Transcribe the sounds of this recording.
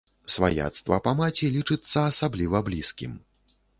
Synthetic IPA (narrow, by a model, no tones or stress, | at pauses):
sva̰ja̰t̪st̪vɐ̰pamat͡sʲilʲit͡ʂɨt̪sːɐːsablʲivɐblʲiskʲḭm